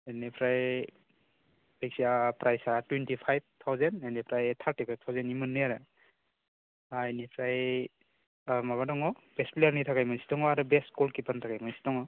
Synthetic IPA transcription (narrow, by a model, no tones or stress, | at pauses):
enepʰɾaj | beksiapɾajsatwentipʰajb̚t̪ʰawzendenepʰɾajt̪ʰaɾtipʰajb̚t̪ʰawzenimɯnːɯjaɾɯ | ajnipʰɾaj | maβadɔŋɔb̥esplejaɾnitʰakajmansi̥tɔŋɔaɾɯbeskɔlkipʰantʰakajmansi̥tɔŋɔ